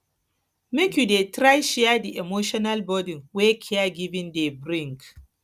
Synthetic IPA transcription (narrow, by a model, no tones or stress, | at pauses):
mikʲudetɾajʃɪjadiʔɛmoːʃɔnalbɔdɪŋwekʲʰɪaɡʲɪbɪndebɾɪŋk